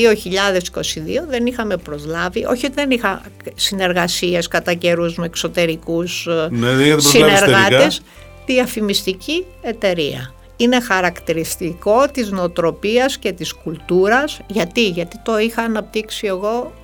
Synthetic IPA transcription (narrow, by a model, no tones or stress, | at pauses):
io̞çiʎɐðe̞si̥ko̞siðḭo̞ðe̞nixɐme̞pɾo̞zlɐviʔo̞çiot̪iðe̞nixɐsine̞ɾɣɐsie̞skɐt̪ɐce̞ɾuzmeekso̞t̪e̞ɾikusneðiɐðɾilneɾɣɐt̪es | t̪iɐfimist̪ici | e̞t̪e̞ɾiɐ̰ | ine̞xɐɾɐkt̪iɾist̪iko̞t̪izneot̪ɾo̞piɐsce̞t̪iskult̪uɾɐsʝɐt̪iʝɐt̪it̪o̞ixɐːnɐp̚t̪iksie̞ɣo̞